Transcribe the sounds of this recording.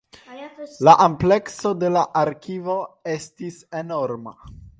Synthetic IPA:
laʔample̞kso̞de̞laʔaɾkivo̞e̞stise̞no̞ɾma

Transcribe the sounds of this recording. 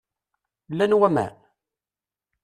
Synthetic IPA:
lːænwæmæ̰n

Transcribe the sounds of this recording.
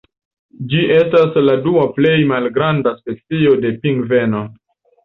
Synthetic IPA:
d͡ʒiʔe̞stasladuaple̞jmalɡɾandaspe̞t͡sio̞de̞piŋɡve̞no

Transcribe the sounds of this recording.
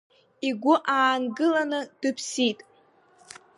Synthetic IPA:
iɡʷʊʔaːnɡɨlanɨd̥ɨpʰsitʼ

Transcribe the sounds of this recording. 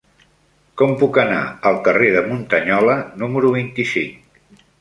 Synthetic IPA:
kɔmpukəna̰əlˠkəreðəmunt̪əɲɔlənuməɾuβ̞int̪isiŋk

